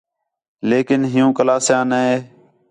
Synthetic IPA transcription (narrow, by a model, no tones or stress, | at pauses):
leːkɪnɦɪjũːkəlaːsjãːneeː